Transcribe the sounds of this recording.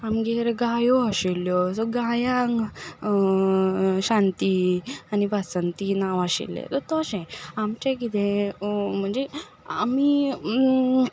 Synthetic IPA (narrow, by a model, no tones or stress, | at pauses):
amɡeɾɡajɔəɕiljɔsɔɡajãŋ | ɕãnt̪ianibasənt̪inaʋaɕḭlːḛt̪ɔt̪ɔɕɛ̃amt͡ɕẽkit̪ɛ̃ | m̤əɳd͡ze | a̰mi